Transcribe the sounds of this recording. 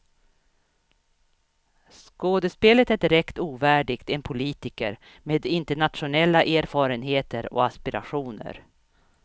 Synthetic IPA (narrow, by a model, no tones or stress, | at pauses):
skoːd̪əspeːlət̪æɖɪɾɛkt̪uːvæːɖɪɡt̪ɛnpʰʊliːt̪ɪkə̰ɾ | meːd̪ɪnt̪əɳat̪ɧʊnɛlːaʔeːɾfɑːɾənɦeːt̪əɾɔ̰aspɪɾʔa̰ɧuːnə̰ɾ